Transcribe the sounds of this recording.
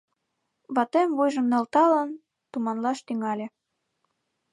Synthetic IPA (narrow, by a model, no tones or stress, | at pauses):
βɑt̪emvujʒə̆mnɑlt̪ɑlən | t̪umɑnlɑʃt̪yŋɑlʲe